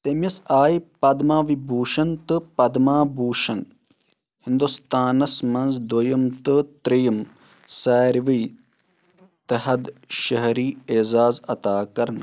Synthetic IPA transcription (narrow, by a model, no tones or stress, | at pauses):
t̪emisaːjpɐd̪maːʋibʱuːʃɐnt̪ɨpɐd̪maːbʱuːʃɐn | hind̪ust̪aːnɐsmɐnzd̪ojɐmt̪ɨt̪ɾijɐm | saːɾʋij | t̪ɐɦɐd̪ʃɐɦɐɾiːeːzaːzɐt̪aːkɐɾn